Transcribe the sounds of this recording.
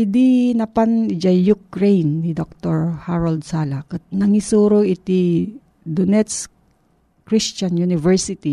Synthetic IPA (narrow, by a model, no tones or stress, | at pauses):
ɪd̪inɐpanɪd͡ʒɐjukɾɛjnːid̪ok̚t̪oɹhaɹɐld̪̚saːlakɐnɐŋisuːɾoɪt̪i | d̪onɛt̪s | kɾist͡ʃɐnjunɪvɛɹsɪt̪i